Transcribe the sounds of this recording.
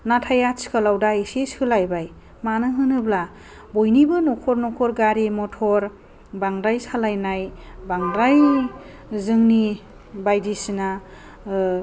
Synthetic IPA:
natʰajat͡ʃkʰalawdaesesɯlajbaj | manɯɦɯnɯbla | bojnibɯnɔkʰɔɾnɔkʰɔɾɡaɾimɔtʰɔɾ | baŋɾajsalajnajbaŋɾaj | zɯŋni | bajdisina

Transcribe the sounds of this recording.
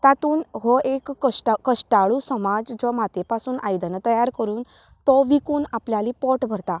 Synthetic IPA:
t̪at̪uːnɦoʔekːəʈkəʂʈaɭusəmad͡zd͡zɔmat̪epasuːnʔajd̪ənət̪əjaɾkəɾuːn | t̪ɔʋikuːnapljaliːpɔʈbʱəɾt̪a

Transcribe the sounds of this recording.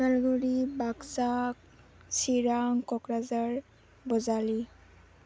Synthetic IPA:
balɡuɹibaksak | siɹaŋkɔkɹazaɹ | bɔzali

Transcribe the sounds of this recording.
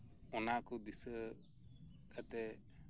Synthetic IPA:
ɔnakud̪isə | kʰat̪ɛ

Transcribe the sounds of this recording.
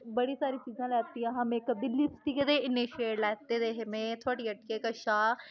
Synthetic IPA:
bəɽiːsaːɾiːt͡ʃiːzãːlɛːt̪ijãːɦãːmẽːkəd̪ɪlːiːst̪iːkəd̪eːɪniːʃeːʈlɛːt̪eːd̪eːɦɪmẽːt̪ʰoaːɽiːəʈkeːkəʃaː

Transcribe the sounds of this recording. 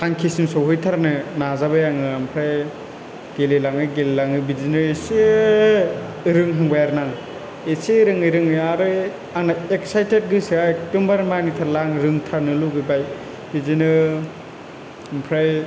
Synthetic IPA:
tʰaŋkʰisimsɔwɦɔjtʰaɾnɯnazabɯjaŋɯampʰɾaj | ɡ̥elilaŋɯɡelilaŋɯbizinɯese | ɾɯŋɦaŋbajaɾnaŋ | eseɾɯŋɯɾɯŋɯaɾɯ | aŋnaek̚sajtet̚ɡɯsiakdɔmbaɾmanitʰaɾlaŋɾɯŋtʰaɾnɯluɡɯjbaj | bizinɯ | ampʰɾaj

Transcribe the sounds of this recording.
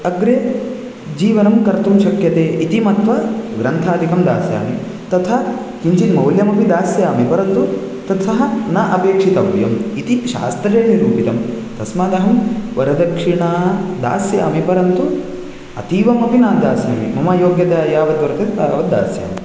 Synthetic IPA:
ɐɡɾe | d͡ʒiːʋɐnɐmkɐɾt̪umʃɐkjɐt̪eːʔit̪imɐt̪ʋɐɡɾɐnt̪ʰaːd̪ʱikɐmd̪aːsja̰ːmi | t̪ɐt̪ʰɐ | kiɲt͡ʃimɐwljɐmɐpid̪aːsjaːmipɐɾɐnt̪u | t̪ɐt̪ʰɐɦɐnɐʔɐpeːkʂit̪ɐʋjɐmit̪iʃa̰ːst̪ɾeːniɾuːpit̪ɐm | t̪ɐsmaːd̪ɐɦɐmʋɐɾɐd̪ɐkʂiɳaːd̪a̰ːsjaːmipɐɾɐnt̪u | ɐ̰t̪iːʋɐmɐpinaːd̪aːsjaːmḭmɐmɐjoːɡjɐd̪aːjaːʋɐd̪ʋɐɾɐt̪ɐt̪aːʋɐa̰ːsja̰ːmi

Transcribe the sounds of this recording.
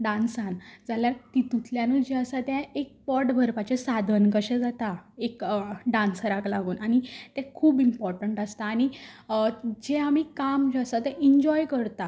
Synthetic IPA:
ɖãnsãnd͡zaljaɾt̪it̪ut̪ʰljãnuld͡ʑeəsat̪jãek̚pɔʈbʱəɾpat͡ɕesad̪ʱənkəɕɛ̃d͡zat̪aekɖãnsɾaklaɡuːnʔañit̪ɛ̃kʰuːbimpɔɾʈəɳʈəst̪aːñi | d͡ʑeamikamd͡ʑəsat̪eiɲd͡ʑɔjkəɾt̪a

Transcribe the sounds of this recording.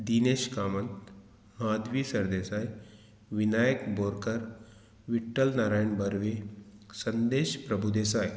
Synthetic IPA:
d̪iːneɕkaːmənt̪ | mad̪ʋiːsɐɾd̪eːsaj | ʋinajəkboːɾkəɾ | ʋiʈːəlnaɾaːjəɳbəɾʋesənd̪eːɕpɾɐbʱud̪esaj

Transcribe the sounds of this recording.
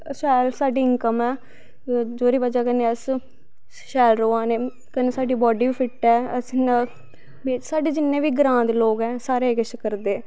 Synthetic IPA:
sɛːlsaːɖiːɪŋkəmɛː | d͡ʒoːɾiːbəd͡ʒaːkənːeːəs | ʃɛːlɾoːãːneː | kəneːsaːɖiːbɔːɖiːbiːpʰɪʈɛːəsna | beːsaːɖeːd͡ʒɪnːẽːʋiːɡɾãːnd̪loːɡɛːsaːɾeːkəʃkəɾd̪eː

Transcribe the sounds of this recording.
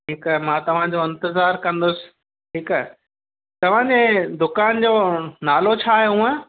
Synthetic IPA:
ʈɪkmãːt̪ɐʋ̤ãd͡ʑoɪ̃nt̪ɪzaːɾkɐ̃nd̪ʊsɪ̥̆ | ɦɪk | t̪ɐʋ̤ãd͡ʑeːd̪ʊkaːnd͡ʑoːnaːlot͡ɕʰaːɦejũə̃

